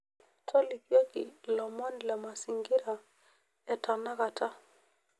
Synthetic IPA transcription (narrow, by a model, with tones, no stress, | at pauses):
tʰɔ˦li˨kjɔ˦ki˨lɔ˨mɔ˦nlɛ˨ma˨si˨ŋɡɪ˦ɾa˨ | ɛ˨ta˨na˦ka˨tʰa˦